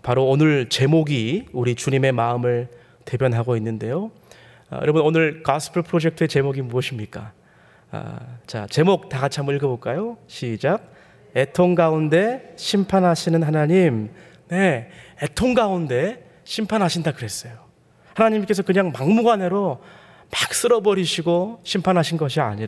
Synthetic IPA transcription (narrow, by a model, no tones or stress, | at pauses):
paɾoːnɯɭt͡ɕe̞moɡiuɾit͡ɕuɲime̞maɯmɯɭ | te̞bjʌnɦaɡoinːɯnde̞jo̰ | jʌ̰ɾʌbʌnonɯɭkasʰɯ̥pʰɯɭpʰɯɾod͡ʑe̞k̚tʰɯe̞t͡ɕe̞moɡimuʌɕʰimɲik͈a̰ | a̰t͡ɕa̰t͡ɕe̞mok̚t͈aɡat͡ɕʰamɯɭɡɯboɭk͈ajoɕʰid͡ʑak̚ | e̞tʰoŋɡaunde̞ɕʰimpʰanɦaɕʰinɯnɦanaɲim | ne̞etʰoŋɡaunde̞ | ɕʰimpʰanɦaɕʰindakɯɾe̞s͈ʌjo | hanaɲimk͈e̞s̬ʰʌkɯɲaŋmaŋmuɡwane̞ɾo | mak̚s͈ɯɾʌbʌɾiɕʰiɡoɕʰimpʰanɦaɕʰinɡʌɕʰia̰ɲiɾa